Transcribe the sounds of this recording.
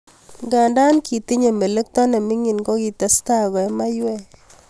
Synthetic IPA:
ɡa˨nda˦nki˨t̪i˦ɲe˨me˨le˦k̚t̪ɔ˦nɛ˨mɪ˦ŋi˨nɡɔ˦ɡi˨t̪ɛ˨˦sta˦ɡɔ˨ɛ˦ma˦jwɛ˦

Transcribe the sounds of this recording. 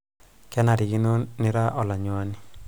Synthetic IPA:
kɛ˦na˨ɾɪ˨ɡi˦no˦nɪ˦ɾa˦ʔɔ˨la˨ɲo˨a˦ni˨

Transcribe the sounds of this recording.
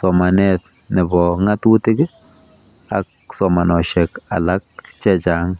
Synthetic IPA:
sɔ˨ma˨nɛt̚ | nɪ˨bɔŋa˦twu˦tɪ˦ɡɪ˦ | a̰k̚ | sɔ˨ma˨nɔ˨ʃɛka̰˨la˦k̚t͡ʃɛt͡ʃa˨ŋ

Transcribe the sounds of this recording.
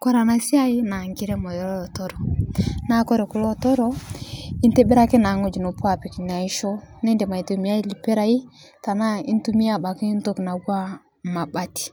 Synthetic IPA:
kɔ˦ɾa˨na˨si˦a˦i˦na˨ŋɡi˦ɾɛ˦mɔ˨jɔ˨˦ɾɔ˦˨tɔ˦ɾɔ˨na˦kɔ˦ɾe˨ku˨lɔ˦˨tɔ˦ɾɔ˦i˦nte˦be˦ɾa˦ke˦na˨˦ŋo˦˨d͡ʒi˨no˨pa˦˨pi˨ki˨ɲa˨i˦ʃo˦nɛ˦nde˨ma˨i˨tu˨mi˨˦a˦i˦li˨pe˦ɾa˨i˦ta˨na˦ḭ˦n˦tu˦mi˦a˨ba˨ki˦i˦n˦to˦kna˨wwa˦ | ma˨ba˦ti̥˨

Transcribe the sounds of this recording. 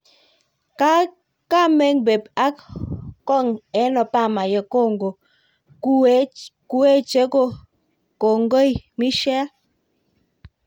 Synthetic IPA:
ka˦ | ka˦me˦ŋbe˨pa˦kkɔ˦˨ŋɛ˨˦nɔ˨pa˦˨ma˨je˨ko˦˨ŋɡo˨˦ | ku˦e˦t͡ʃe˨˦ko˦˨ | ko˨ŋɡo˦jmi˦ʃɛ˦a˦

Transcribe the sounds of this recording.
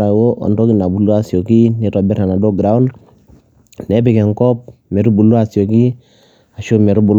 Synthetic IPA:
ɾa˨wo˦ʔɔ̰˨ndo˦ki˦na˨bu˨lo˦a˨so˨ki˦ne˦tɔ˨bɛ˦ɾa˨na˨do˦ɡɾa˨˦ɔ˦n | nɛ˨˦bi˨kɛ˨ŋkɔ˦p̚ | mɛ˨ɾu˦bu˨lo˦a˨si˨o˨ki˦ | a˨ʃo˦me˨ɾu˦bu˨l

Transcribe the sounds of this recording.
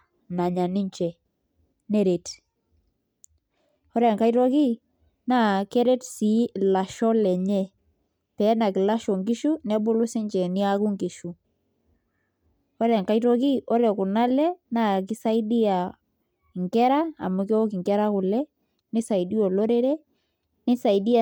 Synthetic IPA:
na˨ɲa˨nɪ˦ɲt͡ʃɛ˨ | ne˦ɾe˨t | ɔ˦ɾɛ˦a˨ŋka˦ijto˦ki˦ | na˦ke˦ɾe˦tsi˨˦la˨ʃɔ˦lɛ˨ɲɛ˦ | pɛ˨˦na˨kɪ˨la˦ʃɔ˨ŋki˦ʃu˦nɛ˦bʊ˦lʊ˦sɪ˦ɲt͡ʃɛ˨nɪ˦a˦ku˦ŋki˨ʃu˨ | ɔ˦ɾɛ˦a˨ŋka˦jt̬o˦ki˦ʔɔ˦ɾɛ˨ku˨na˦lɛ˦na˦k̬ɪ˦sa˦jdi˦a˨ | ŋkɛ˦ɾa̰ː˦˨mu˨kɛ˦ɔ˦kɪ˨ŋkɛ˦ɾa˦kʊ˨lɛ˦ | nɪ˦sa˨i˨di˦o˨lo˦ɾe˦ɾe˦ | nɪ˦sa˨idi˦a

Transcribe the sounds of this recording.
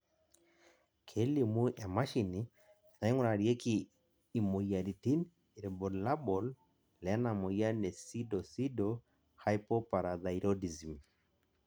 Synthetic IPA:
kʰɛ˦li˨mu˦a˨ma˦ʃi˨ni | na˨i˦ŋu˦ɾa˨ɾjɛ˦kiː˨ | mɔ˨ja˨ɾi˨ti˦n | iɾɛ˨bɔ˨la˦bɔ˨l | lɛ˨a˦namɔ˨ja˦nɛ˨si˦dɔ˨si˦dɔ | ha˦jpɔ˦pa˨ɾa˨ða˨iɾɔdi˨zi˨m

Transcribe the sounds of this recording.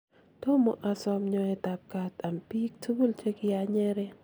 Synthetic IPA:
t̪ɔ˦mɔ˨ʔa˨sɔ˦mɲɔ˨ɛ˨ta˨p̚ka˨t̪a˨mpi˦k̚tʰu˦bu˦lt͡ʃe˦kɪ˦a˨ɲɛ˦ɾɛ˦

